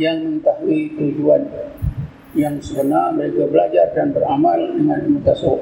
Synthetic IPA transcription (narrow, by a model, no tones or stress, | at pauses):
jaŋməŋət̪aɦuit̪ud͡ʒuan | jaŋsəbənarbaikabəlad͡ʒardanbəɾamaldəŋanmut̪aso